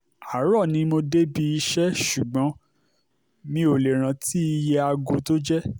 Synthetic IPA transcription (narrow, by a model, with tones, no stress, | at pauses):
a˨˦ɾɔ˦˨nĩ˧mo˧de˦bi˧i˧ʃɛ˦ʃu˨ɡ͡bɔ̃˨˦ | nĩ˧o˨le˨ɾ̃ã˨˦ti˦i˧je˧a˧ɡo˧˦to˦d͡ʒɛ˦